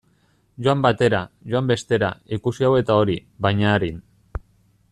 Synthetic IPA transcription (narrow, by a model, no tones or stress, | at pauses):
ʝoambat̪e̞ɾaʝoambe̞st̪e̞ɾa̰ikusiawe̞t̪ao̞ɾiβajɲaːɾin